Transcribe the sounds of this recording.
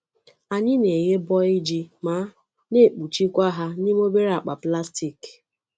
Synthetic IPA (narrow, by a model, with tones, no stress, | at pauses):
a˨ɲɪ˦ne˨ɣe˦bɔ˦i˦d͡ʒi˦ma˨˦ | ne˦˨k͡pu˨t͡ʃi˦kʷa˦ɦa˦ni˦m˦o˦be˦ɾa˨k͡pa˨pla˦sti˨k